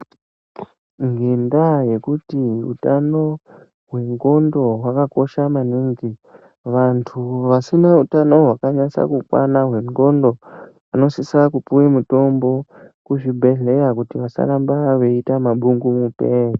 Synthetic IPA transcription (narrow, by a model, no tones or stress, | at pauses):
ŋɡendaje̞kutiṵtano̞ | ɦwe̞ŋɡo̞ndo̞ɦwakako̞ʃamaniŋɡi | ʋantʰuʋasinautano̞ɦwakaɲasa̰kukwa̰naɦwe̞ŋɡo̞ndo̞ | ano̞sisakupuwimuto̞mbo̞ | kuʐibʱe̞ɮe̞ɾakutiʋasa̰ɾambaʋe̞itamaɓuŋɡumupe̞i